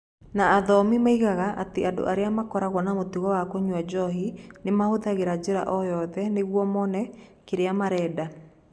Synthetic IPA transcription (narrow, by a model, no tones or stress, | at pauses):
naːðɔmimaiɣaɣaʔateado̰ʔaɾeamakɔɾaɣwɔnamotuɣɔwakoɲwad͡ʑɔɦinemahoðaɣeɾad͡ʑeɾa̰ʔɔjɔðɛneɣwɔmɔnɛkeɾeamaɾɛːda